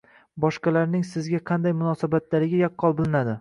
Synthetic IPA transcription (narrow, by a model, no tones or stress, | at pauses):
bɒʃqɑlaɾnɪŋsɪzɡʲaqʰɑnd̪ajmʊnɒsabat̪laɾɪɡʲajɒqːɒlˠbɪlˠɪnad̪ɪ